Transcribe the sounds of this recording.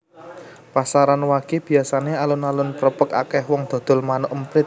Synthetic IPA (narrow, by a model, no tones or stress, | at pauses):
pasaɾanwaɡ̥e̤b̥i̤asanealʊnalʊnpəɾəpəka̰kɛhwɔŋd̪̥ɔ̤d̪̥ɔ̤lmanʊʔəmpɾɪt̪̚